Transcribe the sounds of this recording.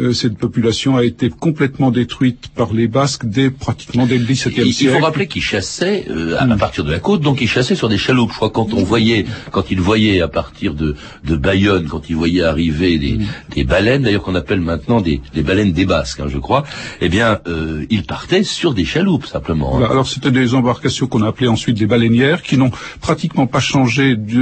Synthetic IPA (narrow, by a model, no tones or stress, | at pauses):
sɛt̪̚pɔpylasjɔ̃aet̪ekɔ̃plɛt̪mɑ̃d̪et̪χɥit̪paʁlebaskd̪epχat̪i̥kmɑ̃d̪eɡlisɛd̪ɛsiɛfoʁaplekilʃasɛø̰aapaʁt̪iʁd̪əlakot̪̚d̪ɔ̃kilʃasɛsyʁd̪eʃalupʒ̥ə̥kwakɑ̃t̪ɔ̃vwajɛkɑ̃t̪ilvwajɛapaʁt̪ʰiʁd̪ə | d̪əbajɔnkɑ̃t̪ilvwajɛaʁived̪ḛd̪ebalɛnd̪ajœʁkɔ̃napɛlmɛ̃t̪nɑ̃d̪ed̪ebalɛnd̪ebaskɛ̰̃ʒəkχwaebjɛ̃øilpaʁt̪ɛsyʁd̪eʃalupsɛ̃pləmɑ̰̃aa̰lɔʁset̪ɛd̪ezɑ̃baʁkasjɔ̃kɔ̃naːpleɑ̃sɥit̪̚d̪ebalɛnjɛːʁkʲinɔ̃pχat̪ikmɑ̃paʃɑ̃ʒed̪